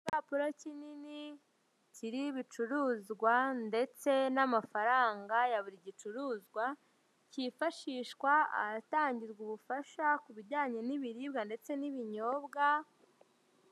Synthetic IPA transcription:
iβaːpuɾacinini | ciɾiβit͡ʃuɾuːzɡwande̞t͡se̞namafaɾaːŋɡajaβuɾiɟit͡ʃuɾuːzɡwa | cifaʃiːʃkwaa̰taːɲɟiɾɡuβufaʃakuβiɾɟaːɲeniβiɾiːbɡande̞t͡se̞niβiɲo̞ːbɡa

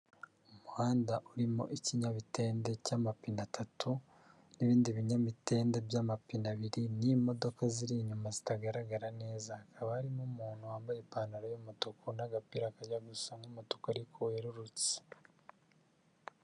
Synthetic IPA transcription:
omuhaːndaʔuɾimo̰ʔiciɲaβite̞ːndecaːmapinatatʰu | niβiːndiβiɲamite̞ːndebjaːmapinaβiɾinimo̞do̞kaziɾiɲumazitaɡaɾaɡaɾane̞ːzahakʰaβahaɾimumuːnhuwaːmbajepaːnaɾajomotokunaɡapiɾakajaɡusaŋɡumotokaɾikʰoweɾuɾut͡se̥

